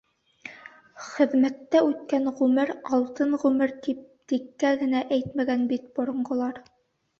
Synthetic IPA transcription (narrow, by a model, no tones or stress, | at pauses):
χɘ̆ðmæt̪ːæʉt̪kænʁʉmɘɾɑlˠt̪ɤɴʁʉmɘɾt̪ip̚t̪ikːæɡɘ̆næʔæjt̪mæɡænbit̪̚bŏɾŏɴɢŏlˠɑɾ